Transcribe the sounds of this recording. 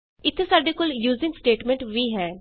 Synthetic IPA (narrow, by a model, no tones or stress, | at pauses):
ɪt̪ʰːesaːɖeːkoːljuːzɪ̃ŋɡsʈeːʈmɛ̃ɳʈʋiːɦɛː